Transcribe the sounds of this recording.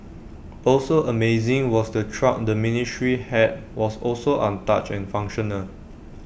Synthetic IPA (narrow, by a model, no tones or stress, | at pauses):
ʔɔlsoʔəmeɪzɪ̃ŋwɔsdətʰɹak̚dəminitɹihɛt̚wɔsɔlsoʔãnta̰t͡ʃɛ̰̃nfãŋkʃɔ̃nəl